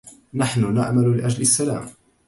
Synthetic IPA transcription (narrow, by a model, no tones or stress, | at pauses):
naħnʊna̰ʕmalʊlɪʔad͡ʒlɪsːala̰ːm